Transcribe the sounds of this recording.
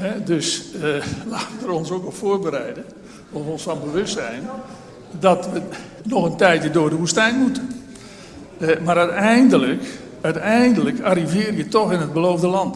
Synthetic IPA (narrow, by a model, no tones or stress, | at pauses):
hɛdøs | laːtʋədəɾɔnsokɔfoːrbəɾɛjdə | ɔfɔnsfɔnbəʋøstsɛjn | dɔtʋə | nɔxəntɛjtjədʊːrdəʋustɛjnmutə | maɾœɥtɛjndələk | œɥtɛjndələkaɾivɪːrjətɔxɪnəd̚bəlowvdəlɑnt